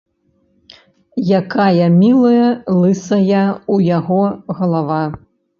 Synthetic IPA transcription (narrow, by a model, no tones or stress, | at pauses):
jakajɐmʲilˠɐjɐlˠɨsɐjɐujaɣɔɣɐlˠava